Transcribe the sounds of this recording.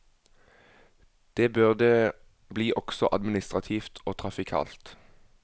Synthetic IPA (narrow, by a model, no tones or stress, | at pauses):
d̪̥eːbʉʁd̪ə | bliːʔɔɡ̥sɔʔɑ̰d̪mɪnɪst̪ʁɑt̪ʰiːft̪ʰoːt̪ʰʁɑfɪkʰɑ̰ːlt̪